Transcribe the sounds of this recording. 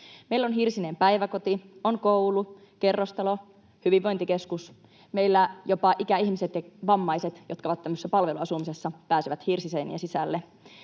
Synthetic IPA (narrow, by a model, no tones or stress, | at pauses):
meilːonɦirsinempæjʋæko̞t̪ionkoulu | ke̞rːost̪ɑlo̞ | hyʋiʋːo̞jnt̪ike̞skus | meilːæjopɑʔikæiçmiset̪jɑʋɑmːɑjset̪jot̪kɑoʋɑt̪t̪ːæmːøsːæpɑlʋe̞luɑsumisesːɑpæːsiʋæt̪hirsisenḭæsisælːe